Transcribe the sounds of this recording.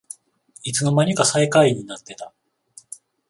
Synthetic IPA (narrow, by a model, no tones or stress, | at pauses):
it͡sɨno̞maɲ̟ikasaikaiɲ̟ːinat̪ːe̞t̪a